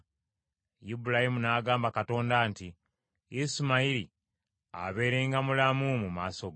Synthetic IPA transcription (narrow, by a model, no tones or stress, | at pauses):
jibulahimunaːɡaːmbakato̞ːndaːnti | isimaiɾi | a̰βe̞ːɾe̞ːŋɡamulamumumaːso̞ɡ